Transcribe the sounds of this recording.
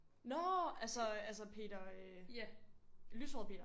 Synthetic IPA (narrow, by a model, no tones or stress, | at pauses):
nɒælsɒælsəpʰe̝̰ːd̥ɐø | lysɒðˠpʰe̝ːd̥ɐ